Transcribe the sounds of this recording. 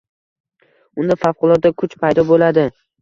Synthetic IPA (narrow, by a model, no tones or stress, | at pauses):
ʊnd̪afafqʊlˠɒt̪̚d̪akʰʊt͡ʃpʰajd̪ɒbolad̪ɪ